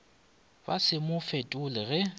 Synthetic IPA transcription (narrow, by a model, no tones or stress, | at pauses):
basɪmʊfetʼʊlɪɣɛ